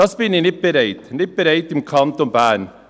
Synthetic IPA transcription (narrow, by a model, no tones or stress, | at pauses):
ɑspɪnːɪnɪp̚bəɾeɪt̪nɪt̚bəɾeɪt̪ɪmkʰɑnt̪ɔmbæːɳ